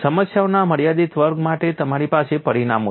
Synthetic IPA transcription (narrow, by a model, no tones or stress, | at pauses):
səməsjaonaməɽijad̪it̪ʋəɾɡmaʈet̪əmaɾipasepəɾinamo